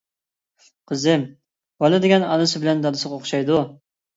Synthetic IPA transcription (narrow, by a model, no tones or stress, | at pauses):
qʰəzɪm | bɑlˠɨd̪ɪɡʲɛnɑnɨsɨbɪlɛnd̪ɑnɨsɨʁoχʃɑjd̪u